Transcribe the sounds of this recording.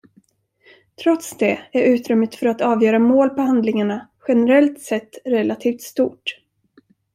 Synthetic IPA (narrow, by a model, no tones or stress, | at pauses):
t̪ʰɾɔt̪sd̪ɛæɾʉ̟ːt̪ɾʏmːət̪fœɾat̪ɑːvjœːɾamoːlpɔhand̪lɪŋaɳaɧɛnɛɾɛlt̪sɛt̪ːɾɛlat̪ʰiːft̪st̪uːʈ